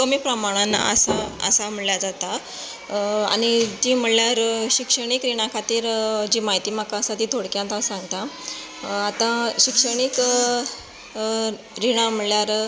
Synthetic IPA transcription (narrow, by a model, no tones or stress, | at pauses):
kəmiːpɾəmaɽ̃anə̰saə̰sam̤əɭljad͡zat̪a | a̰ɽ̃it̪im̤əɭljaɾɕikʂəɽ̃ikɾiɽ̃akʰat̪iːɾd͡ʑiːmaɦit̪iːm̤akasat̪iːt̪ʰoɽkjãnt̪asãŋɡt̪a | at̪ãɕikʂəɽ̃ik | ɾiɽ̃am̤əljaɾ